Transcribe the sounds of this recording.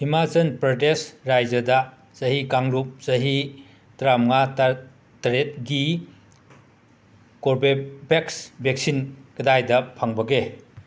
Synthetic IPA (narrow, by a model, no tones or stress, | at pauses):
imazɐnpɾɔtesɾajd͡ʒɐdɐ | t͡ʃɐɦikaŋɾup̚zɐɦi | tɾamŋat | tɐɾet̚ɡi | koɾbebeksbeksinkɐdajdɐpʰaŋbɐɡe